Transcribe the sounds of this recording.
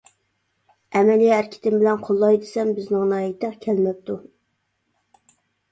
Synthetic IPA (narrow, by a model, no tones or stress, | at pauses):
ɛmɛliæɾkʲʰɪ̥t̪ʰɪmbɪlɛnqʰolˠːɑjd̪ɪsɛmbɪznɪŋnɑjit̪ʰːækʲʰɛlmɛp̚t̪ʰu